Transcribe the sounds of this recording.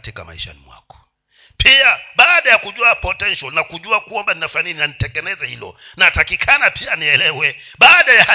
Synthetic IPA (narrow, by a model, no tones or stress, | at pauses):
tika̰ma̰ḭʃa̰nḭmwa̰kɔ̥ | pʰiaɓaːɗajakuʄuapɔtɛnʃɔlnakuʄuakambaninafaniinanitɛŋɡɛlɛzahilɔ̰natakikʰanapʰianiɛlɛwɛ | ɓaːɗajaha